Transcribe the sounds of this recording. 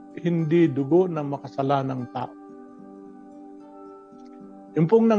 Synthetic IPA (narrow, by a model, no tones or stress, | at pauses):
hɪnd̪id̪ʊɡonɐmɐkasɐlaːnaŋt̪a̰ːʔo | ʔɪmpʊŋnɐ